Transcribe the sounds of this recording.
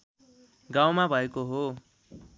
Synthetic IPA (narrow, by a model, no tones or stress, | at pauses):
ɡawmabʱʌekoɦo